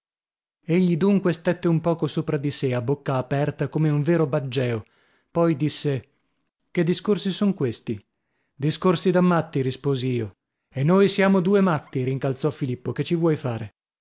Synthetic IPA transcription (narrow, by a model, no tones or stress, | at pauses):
eʎːid̪uŋkwest̪et̪ːeumpɔːkosoːpɾad̪iseabokːaːpɛrt̪akomeuɱveːɾobad͡ʒːɛːo | pɔjd̪isːe | ked̪ːiskorsisoŋkwest̪i | d̪iskorsid̪amːat̪ːiɾispoːziiːo | enːojsjaːmod̪uːemat̪ːiɾiŋkalt̪sɔfːilipːoket͡ʃːivwɔjfaːɾe